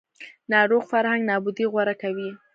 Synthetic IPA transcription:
nɑɾoɣfaɾhaŋɡnɑbʊd̪iɣwaɾakawi

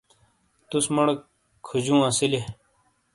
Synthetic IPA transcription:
t̪usmɐɽk | kʰud͡ʑũːãːsile

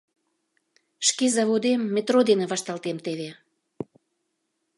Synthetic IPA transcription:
ʃkezɑβod̪emːet̪rod̪enĕβɑʃt̪ɑlt̪emt̪eβe

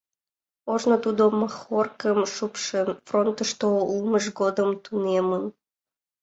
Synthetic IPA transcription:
oʒnot̪ud̪omɑxorkəmʃupʃənfront̪əʃt̪ouməʒɡod̪əmt̪unemən

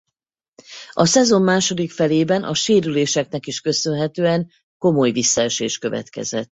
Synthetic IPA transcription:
ɒsɛzo̞mːaːʃo̞d̪ikfɛleːbɛnʔɒʃeːɾyleːʃɛknɛkiʃkø̞sønɦɛt̪øːɛŋ | ko̞mo̞jvisːɒɛʃeːʃkø̞vɛ̰t̪kɛ̰zɛt̪ː

